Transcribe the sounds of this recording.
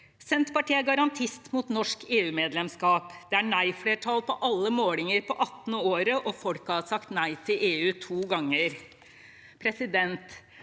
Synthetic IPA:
sɛnt̪pɑʈiːæɡɑɾɑnt̪ʰɪst̪mut̪nɔʂkeːʉːmeːd̪lɛmskɑːpd̪̥ɛæɳæɪfleːʈʰɑlpʰɔʔɑlːəmoːlɪŋəɾpʰɔʔɑt̪ːnəoːɾəʔɔfɔɽkɑɑsɑkt̪næɪt̪ʰɪlʔeːʉːt̪ʰuːɡɑŋːəɾ | pʰɾɛsɪd̪ɛnt̪

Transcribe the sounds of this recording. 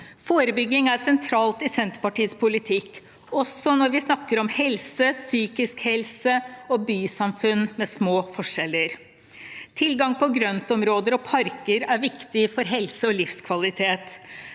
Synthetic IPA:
foːɾəbʏɡːɪŋæɾsɛnt̪ʰɾɑːlt̪ɪsɛnt̪ə̥pɑʈiːəspʰʊlɪt̪ʰɪkː | ɔsːɔnɔɾʋɪsnɑkːəɾɔmhɛlsəsyːkɪskhɛlsəɔbyːsɑmfʉnːmɛsmoːfɔʂɛlːəɾ | t̪ʰɪlɡɑŋpɔɡɾœnt̪ɔmɾoːd̪əɾɔpʰɑɾkəɾæɾʋɪkt̪ɪfɔɾɦɛlsəɔlɪfskʰʋɑlɪt̪ʰeːt̪

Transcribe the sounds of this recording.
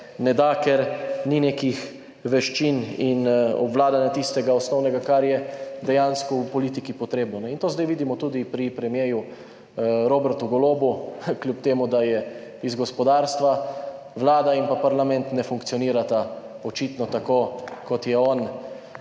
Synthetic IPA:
nɛd̪akɛɾnineːkix | ʋɛʃt͡ʃininɔ̰bʋlaːd̪anjat̪ist̪ɛɡaɔsnɔwnɛɡakaɾjɛd̪ɛjanskɔupɔliːt̪ikipɔt̪ɾeːbnɔnɛint̪oːzd̪ɛjʋiːd̪imɔt̪uːd̪ipɾipɾɛmjeːju | ɾoːbɛɾt̪uɡɔloːbukljup̚t̪eːmud̪ajɛ | izɡɔspɔd̪aːɾst̪ʋa | ʋlaːd̪ainpapaɾlamɛnt̪nɛfuŋkt̪sijɔniːɾat̪a | ɔt͡ʃit̪nɔt̪akokɔt̪jɛɔn

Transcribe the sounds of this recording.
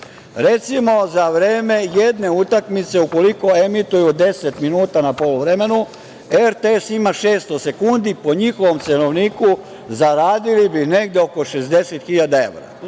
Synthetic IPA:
ɾe̞t̪simo̞zaʋɾeːme̞je̞d̪ne̞ut̪akmit̪se̞uko̞liko̞e̞mit̪ujud̪e̞set̪minuːt̪anapoluʋɾe̞me̞nu | e̞ɾt̪eesimaʃe̞ːst̪o̞se̞kund̪ipo̞ɲixo̞ʋo̞mt̪seno̞ʋniːku | zaɾaːd̪ilibine̞ɡd̪eo̞ko̞ʃe̞zd̪e̞set̪xiʎad̪ae̞ʋɾa̰

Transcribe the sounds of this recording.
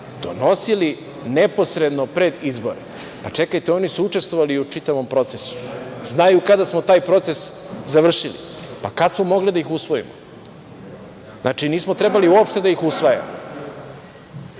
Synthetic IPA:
d̪̥ono̞sili | nepo̞sɾe̞d̪no̞pɾe̞d̪izbo̞ɾe | pat͡ʂe̞kajt̪eo̞nisuut͡ʂe̞st̪vʋoʋaliut͡ʂit̪aʋo̞mpɾo̞t̪se̞su̥znajukad̪asmo̞t̪aːjpɾo̞t̪se̞s | zaʋr̩ʃilḭpakat̪smomo̞ɡlid̪aixusʋo̞ḭmo | znʔa̰ːt͡ʃiniːsmot̪ɾe̞baliuopʃt̪e̞d̪aixusʋaja̰mo

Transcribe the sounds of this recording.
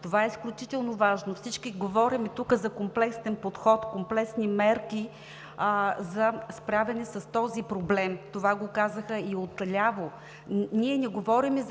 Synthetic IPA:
t̪ovaɛisklʲut͡ʃit̪ɛlˠnovaʒnofsit͡ʃkiɡovɔɾimɛt̪ukəzɐkomplɛkst̪ɛnpot̪xɔt̪komplɛksnimɛɾki | zɐspɾavʲɛnɛsɐst̪ɔzipɾoblɛmt̪ovaɡokazəxəiot̪lʲavo | niɛnɛɡovɔɾimɛz

